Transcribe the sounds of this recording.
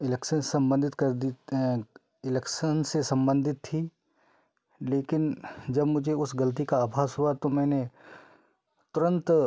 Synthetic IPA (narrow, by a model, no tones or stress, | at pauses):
ɪlɛkʃənsɐ̃mbə̃nd̪ʱɪt̪kɐɾd̪i | ɪlɛkʃənsesɐ̃mbə̃nd̪ʱɪt̪ʰːi | leːkɪnd͡ʒɐbmʊd͡ʒʱeʊsɡɐlt̪̬ikaaːbʱaːsɦuat̪omɛ̃ːne | t̪ʊɾə̃nt̪